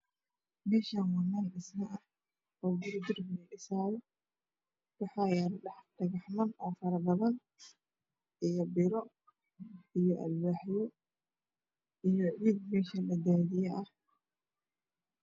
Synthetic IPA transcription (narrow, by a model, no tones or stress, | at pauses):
mɛːʃaːnwɑnɐːnɪsnɐʔɐh | ɔːbʊrd̪ɪrnɛʔɪsaːlɔ | wɑħaːjaːnɗɐħd̪̥ɐɣɐħmɐnʔɔːfɐɾɐbɐðɐn | ʔijɔbɪɾɔ | ijɔʔɐ̰lwaːħjɔ | ijɔʕiːd̪̚mɛːʃɐlɐd̪aːðɪjɛʔɐh